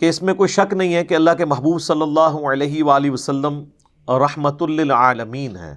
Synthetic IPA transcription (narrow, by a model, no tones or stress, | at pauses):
keɪsmẽkoːiʃɐknɐɦĩɦɛkeɐlːaɦkemɐɦbuːbsɐlːɐlːaːɦuɐlɛːɦiʋaːliʋɐsɐlːəm | ɾɐħmət̪ʊlːɪlʕaːləmiːnɦɛ̰ː